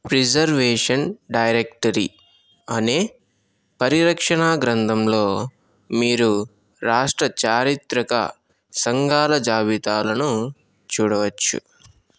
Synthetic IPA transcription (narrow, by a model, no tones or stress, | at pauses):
pɾid͡ʒɐɾʋeːʂɐnɖɐjɾek̚ʈɐɾḭ | ɐneː | pɐɾiɾɐkʂɐɳaːɡɾɐnd̪ʱɐmloː | miːɾu | ɾaːʂʈɾɐt͡ʃaːɾit̪ɾɐkɐ̰ | sɐŋɡaːlɐd͡ʒaːbit̪aːlɐnu | t͡ʃuːɽɐʋɐt͡ʃːṵ